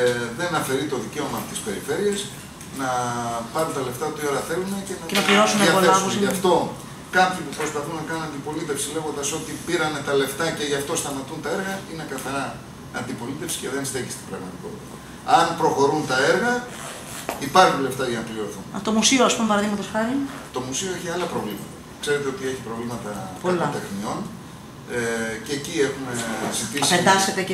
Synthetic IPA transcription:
ðe̞nɐfe̞ɾit̪o̞ðice̞o̞mɐːot̪ispe̞ɾife̞ɾie̞s | nɐpɐɾunt̪ɐle̞ft̪ɐot̪io̞ɾɐθe̞lunece̞nɐnɐkliɾosuniɐesɐft̪o̞ | kɐpçipupɾo̞spɐθunnɐkɐnunɐnd̪ipo̞lit̪e̞fsile̞ɣo̞nd̪ɐso̞t̪ipiɾɐne̞t̪ɐle̞ft̪ɐce̞ʝɐft̪o̞st̪ɐmɐt̪unt̪ɐe̞ɾɣɐine̞kɐθɐɾɐ | ɐnd̪ipo̞lit̪e̞fsi̥ce̞ðe̞nst̪e̞çist̪ibɾɐɣmɐt̪iko̞t̪it̪ɐ | ɐnpɾo̞xo̞ɾunt̪ɐe̞ɾɣɐ | ipɐɾxunleft̪ɐʝɐnɐpliɾoθunt̪omusioɐspumepɐɾɐðiɣmɐt̪o̞sxɐɾit̪o̞musioeçiɐlɐpɾo̞vlimɐt̪ɐ | kse̞ɾe̞t̪e̞o̞t̪ie̞çi̥pɾo̞vlimɐt̪ɐpɐlt̪exnio̞n | ceːcie̞xume̞zit̪isped̪ɐset̪e

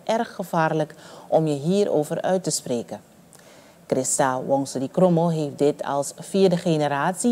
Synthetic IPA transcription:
ʔɛrχːəv̥aːrləkʔɔmjəɦiːɾʔo̰wvərœɥtəspreːkə | krɪstawɔŋsədikromolɦeːfdɪtʰɑ̰lˠsfiːɹdəχenəɾaːtsi

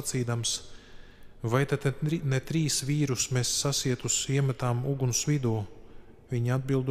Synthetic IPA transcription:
t̪siːd̪ams | vajt̪at̪net̪ɾiːsʋiːɾusmesːasiɛt̪usiɛmat̪aːmuɡunsvid̪uː | viɲad̪̚bilˠd̪

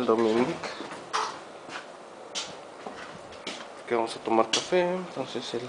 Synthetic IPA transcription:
ld̪ominik | keβaŋsat̪omaɾkafent̪õnsesel

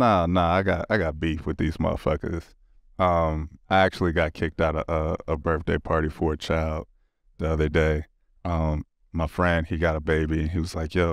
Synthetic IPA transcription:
nonoʊaɪɡɑɾa̰ɪɡɑt̚b̥ifwɨðiz̥mɑ̰fʌkə̰z̥ | ʌ̃maɪæk̚t͡ʃul̩ˠiɡɑt̚kʰɪk̚taʊɾəʔʌəbɜ˞θd̥eɪpʰɑɹɾifə˞ɨt͡ʃʰaɪlˠd̥̚ | ðiʌðə˞deɪ | ʔʌ̃mː | aɪfɹɛ̃nd̥̚iɡɑɾəbeɪbiɨ̃niwʌz̥laɪkjɛ

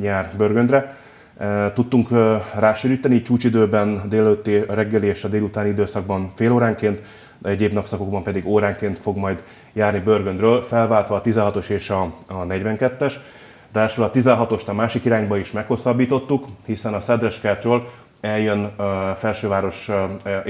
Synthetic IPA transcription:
ɲaːrbørɡønd̪rɛ | t̪ut̪ːuŋkraːʃeːɾiːt̪ɛniːt͡ʃuːt͡ʃid̪øːbɛnd̪eːlɛløt̪ːeɾɛɡːɛlieːʃɒd̪eːlut̪aːnid̪øːsɒɡ̚bɒɱfeːloːɾaːŋkeːnt̪ | ɛɟeːbnɒpsɒko̞ɡ̚bɒmpɛd̪iɡoːɾaːŋkeːnt̪fo̞ɡmɒjd̪ | jaːrnibørɡønd̪røːlfɛlvaːlt̪ʋɒːt̪izɛnɦɒt̪o̞ʃeːʃɒnɛɟvɛŋkɛt̪ːɛʃ | d̪ɛʃølɒt̪izɛnɦɒt̪o̞ʃt̪ɒmaːʃikiɾaːɲbɒiʃmɛkho̞sːɒbːiːt̪o̞t̪ːukhisɛnɒsɛd̪ɾɛʃkɛt̪røːl | ɛljønfɛlʃøːvaːɾo̞ʃ

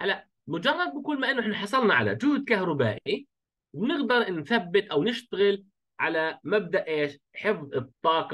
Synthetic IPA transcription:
halːaʔ | mʊd͡ʒɑrˤːɑd̪̚bɪkʊlːmaʔɪnːʊʔɪħnaħɑsˤɑlnaʕa̰la̰d͡ʒʊhuːd̪̚kahɾˤʊba̰ːʔi | bnɪɡd̪ɑɾˤnθabːɪt̪ʔawnɪʃt̪aɣɪl | ʕa̰lamab̚d̪aʔʔeːʃ | ħɪfðˤɨt̪ˤːɑːq

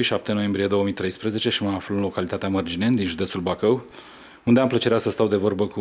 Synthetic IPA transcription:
ʃap̚t̪eno̞je̞mbɾije̞d̪o̞oəmijt̪ɾe̞jspɾəze̞t͡ʃe̞ʃimaːfluɨnlo̞kalit̪at̪eamərd͡ʒine̞nd̪inʒud̪e̞t̪sulbakəw | und̪e̞amplət͡ʃe̞ɾeasəst̪awd̪e̞vo̞rbəku

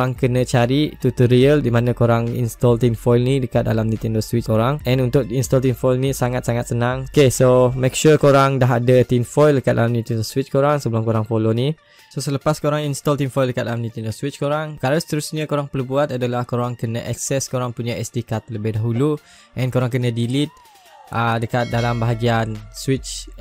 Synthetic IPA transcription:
aŋkənət͡ʃaɾit̪ut̪əɾiəldimanãkoɾaŋḭnst̪ɔlt̪infɔjlnidəkat̪̚da̰lamnit̪ɛndoswit͡ʃkoɾaŋɛ̃nunt̪ʊk̚inst̪ɔlt̪infɔjlnisaŋat̪̚saŋat̪̚sənãŋokesomɛk̚ʃukoɾaŋdaɦadət̪infɔjləkat̪̚da̰lamnĩt̪ɛndoswit͡ʃkoɾaŋsəbəlʊmkoɾaŋpoloni | sosələpaskoɾaŋinst̪ɔlt̪infɔjldəkat̪̚dalamnĩt̪ɛndoswit͡ʃkoɾaŋkalosə̥t̪əɾusɲəkoɾaŋpərbuat̪adalahkoɾaŋkənəʔɛk̚sɛskoɾaŋpuɲaɛst̪ikat̪̚ləbɪhdaɦulu | ʔɛ̃nkoɾaŋkənə̃dilit̪̚ | ʔədəkat̪̚dalambaɦaɡianswit͡ʃ

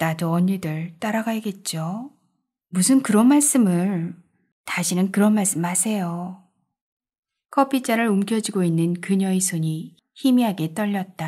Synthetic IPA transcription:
nadoʌɲidɯɭt͈aɾaɡaiɡe̞t̚t͡ɕ͈o | musʰɯnkɯɾʌnmaɭs͈ɯmɯɭ | taɕʰinɯnkɯɾʌnmaɭs͈ɯmhasʰe̞jo | kʰʌpʰit͡ɕ͈aɾɯɾumkjʌd͡ʑiɡoinːɯnkɯɲʌisʰoɲi | çimiɦaɡe̞t͈ʌʎːʌt̚t͈a

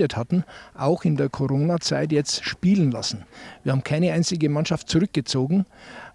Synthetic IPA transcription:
əthatn̩ʔaʊxɪndeːɐkʰoʁoːnat͡saɪt̬jɛt͡stʃpiːlənla̰sn̩vːɐhaːbm̩kʰaɪnəaɪnt͡sɪɡəmanʃaftt͡sʊʁʏk̚ɡ̥ət͡soːɡŋ̩

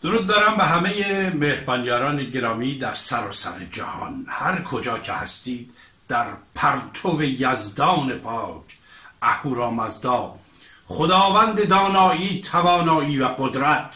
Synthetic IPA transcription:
d̪̥oɾuːd̪̚ːɒːɾæmbeɦæme̞jemehbɒːnjɒːɾɒːneɟe̞ɾɒːmiːd̪æɾsæɾɒːsæ̰ɾed͡ʒæ̰hɒ̰nhæɾkʰod͡ʒɒːcʰehæ̰st̪iːd̪ | d̪̥æɾpʰæɾt̪ʰovejæzd̪ɒːne̞pʰɒːcʰ | ʔæhuːɾɒːmæzd̪ɒː | χod̪ɒːvænd̪e̞d̪ɒːnɒːʔiːt̪ʰævɒːnɒːiːvæɡod̪ɾæt̪ʰ

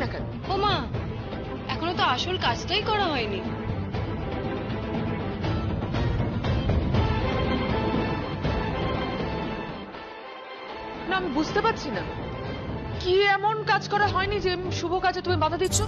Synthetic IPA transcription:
naka̰n | oma | ɛkʰonot̪oaʃolkad͡ʑʈajkɔɾaɦɔeni | naamibud͡ʑʱt̪epat̪ːʰina | kiɛmonkad͡ʑkɔɾaɦɔenid͡ʑeʃubʱokad͡ʑʰet̪umimad̪ʱad̪itːɕʰo

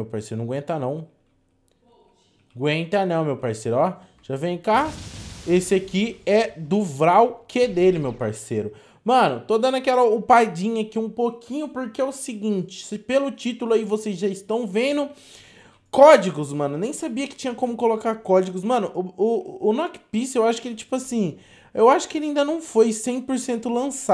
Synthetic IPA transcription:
ewpaɾsejɾʊnɐ̃ɡwẽnt̪ɐnɐ̃w̃ | ɡwẽnt̪ɐnɐ̃w̃mewpaɾsejɾʊɔ | ʒ̥avẽj̃ka | esɪakiɛd̪ʊvɾawkʰed̪elɪmewpaɾseɾʊ | mɐ̃nʊt̪od̪ɐ̃nʊakɛlɐʊpajd͡ʒĩɲʊakiũpokʰĩɲʊpoɾkeɛʊsɪɡĩnt͡ʃɪ̥sɪpelʊt͡ʃit̪ʊlʊaivosezʒaɪst̪ɐ̃w̃vẽd̪ʊ | kɔd͡ʒiɡʊzmɐ̃nʊnẽj̃sabiɐkɪ̥t͡ʃĩɲɐkõmʊkolokaɾkɔd͡ʒiɡʊsmɐ̃nʊʔʊːnɔkpisewaʃʊ̥kelɪt͡ʃi̥pʊasĩ | ewaʃʊ̥kɪelɪaĩnd̪ɐnɐ̃w̃fojsẽj̃poɾsẽnt̪ʊlɐ̃sa

